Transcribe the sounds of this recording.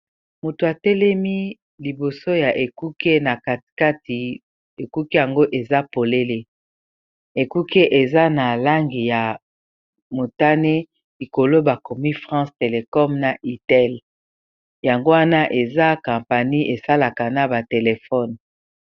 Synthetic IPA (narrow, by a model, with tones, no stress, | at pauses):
mo˨to˨a˨tɛ˦lɛ˦mi˦ | li˨bo˨so˦ja˨ʔe˨ku˦ke˦na˨ka˨tka˦ti˨ | e˨ku˦ke˦ja˨ŋɡo˦ʔe˨za˦po˨le˦le˦ | e˨ku˦ke˦ʔe˨za˦na˨la˦ŋɡi˨ja˨ | mo˨ta˦ne˦ | li˨ko˨lo˦ba˨ko˨mi˦fʁɑ̃˦ste˨le˨kɔ˦mna˨ʔi˨tɛ˦˨l | ja˨ŋɡo˦wa˦na˦ʔe˨za˦kã˨mpa˨ni˦ʔe˨sa˦la˨ka˨na˨ba˨te˨le˨fɔ˦n